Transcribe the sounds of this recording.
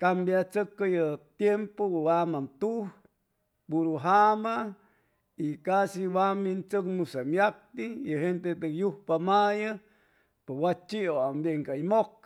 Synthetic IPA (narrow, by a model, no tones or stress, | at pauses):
kambjat͡səkːajət̪jempowamant̪uh | puɾuɦama | ikasiwamint͡səkmusamjak̚t̪ijəɦent̪et̪əkjuhpamajə | pewat͡ʃioambjeŋkaimok̚